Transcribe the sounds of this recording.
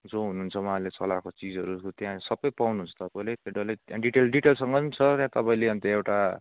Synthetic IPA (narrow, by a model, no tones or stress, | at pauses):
d͡zoɦunuːunt͡sʰʌwʌɦalet͡sʌlakot͡sid͡zʌɾukot̪jãsʌbʌjpawnuɦunt͡sʰʌ̥t̪ʌpaĩlet̪eɖʌlet̪jãɖiʈelɖiʈelsʌŋɡʌnt͡sʰʌt̪jãt̪ʌpaĩleʌnt̪eewʈa